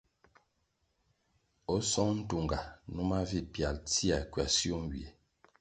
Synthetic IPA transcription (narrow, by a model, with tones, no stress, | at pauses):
ɔ˦sɔ˦ŋn̩˦tu˨ŋɡa˨nu˦ma˦vi˦pja˨lti˦a˨kɥa˨sjo˦m˦wi˨e˨